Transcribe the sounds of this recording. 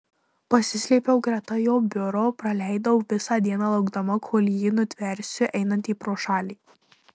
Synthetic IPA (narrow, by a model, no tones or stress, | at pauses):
pɐsʲɪsʲlʲiːpʲɛʊɡɾʲɛt̪ɐjoːbʲʊɾoːpɾɐlʲæˑɪd̪ɐʊʋʲɪsɑːd̪ʲiɛnɑːlˠɐʊɡd̪ɐmɐkʰoːlʲjiːnʊt̪ʲʋʲɛɾʲsʲʊʔɛɪnɐnt̪iːpɾoːʃɑːlʲiː